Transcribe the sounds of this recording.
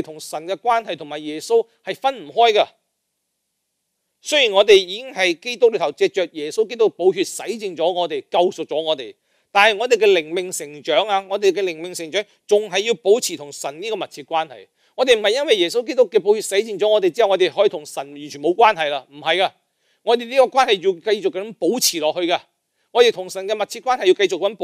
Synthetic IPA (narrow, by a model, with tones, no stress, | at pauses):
t̪ʰʊ˨˩ŋsɐ˨˩nkɛː˧kwaː˥nhɐ˨jt̪ʰʊ˨˩ŋmaː˨˩jɛː˨˩so˥w | hɐ˨jfɐ˥nm̩˨˩ɦɔː˥jkɐ˧ | sɵ˥ɥji˨˩nŋɔː˨˧t̪e˨jjiː˧kɪ˥ŋɦɐ˨jke˥jt̪ʊ˥k̚ly˨˧t̪ʰɐ˨˩wt͡sɛː˧k̚t͡ʃœː˨k̚jɛː˨˩so˥wk̬e˥jt̪ʊ˥k̚po˨˧wɦyː˧t̚sɐ˨˥jt͡sɪ˨ŋt͡sɔː˨˥ŋɔː˨˧t̪e˨jkɐ˧wsʊ˨k̚t͡sɔː˨˥ŋɔː˨˧t̪e˨j | t̪aː˨nhɐ˨jŋɔː˨˧t̪e˨jkɛ˧lɪ˨˩ŋmɪ˨ŋsɪ˨˩ŋt͡ʃœː˨˥ŋaː˧ŋɔː˨˧t̪e˨jkɛ˧lɪ˨˩ŋmɪ˨ŋsɪ˨˩ŋt͡ʃœː˨˥ŋt͡sʊ˨˩ŋɦɐ˨jːi˧wpo˨˥wt͡sʰiː˨t̪ʰʊ˨˩ŋsɐ˨˩nniː˥kɔː˧mɐ˨t̚t͡sʰiː˧t̚kʷwaː˥nhɐ̰˨j | ŋɔː˨˧t̪e˨m̩˨˩ɐ˨jɐ˥nwɐ˨jɛː˨˩so˥wk̬e˥t̪ʊ˥kːɛː˧p̬o˨˥whyː˨˧t̚sɐ˨˥jt͡sɪ˧ŋt͡sɔː˨˥ŋɔː˨˧t̪e˨jt͡si˥ɐ˨wŋɔː˨˧e˨jɦɔː˨˥jiː˨˧t̪ʰʊ˨˩ŋsɐ˨˩njyː˨˩nt͡ʃʰyː˨˩nmo˨˧wkwaː˥nhɐ˨jlaː˧m̩˨˩hɐ˨jkaː˧ | ŋɔ˨˧t̪e˨jniː˥kɔː˧kʷwaː˥nhɐ˨ji˧wkɐ˧jt͡sʊ˨kːɐ˧˥ɐ˥ŋpo˨˥wt͡sʰiː˨˩lɔː˨k̚hɵ˧kaː˧ | ŋɔː˨˧te˨jt̪ʰʊ˨˩ŋsɐ˨˩nkɛː˧mɐ˨t̚t͡sʰi˧t̚kʷaː˥nhɐ˨jːi˧wkɐ˧jt͡sʊ˨k̚ːp